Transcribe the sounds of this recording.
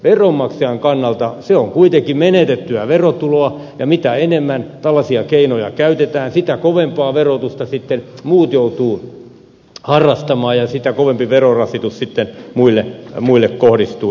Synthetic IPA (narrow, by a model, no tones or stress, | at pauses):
ʋeromːɑkseɑŋkɑnːɑlt̪ɑseoŋkuit̪ekimenet̪et̪ːyæʋerot̪uloɑjɑmit̪æenemːænt̪ɑlːɑsiɑkeinojɑ̰kæyt̪et̪æːnsit̪ækoʋempɑːʋerot̪ust̪ɑsit̪ːenmuːt̪jout̪uː | hɑrːɑst̪ɑmɑːjɑsit̪ækoʋempiʋerorɑsit̪ussit̪ːenmuilːemuilːekkohdist̪uː